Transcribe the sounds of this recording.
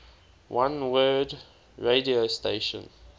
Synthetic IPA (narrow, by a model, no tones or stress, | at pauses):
wʔãnwɜːd | ɹediosteɪʃə̰̃n